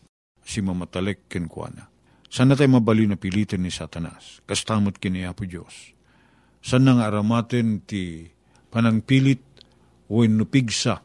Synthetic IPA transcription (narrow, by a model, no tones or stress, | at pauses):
simamat̪ɐlɛkːɛnkwa̰na | sanat̪̬ajmabalinɐpilit̪ɛnːisat̪ɐna̰skɐst̪aːmʊt̪̚kɪniapʊd͡ʒo̰sː | anaŋaɐɾamat̪ɛnt̪i | pɐnɐŋpilɪt̪̚ | wɛnːʊpiɡsa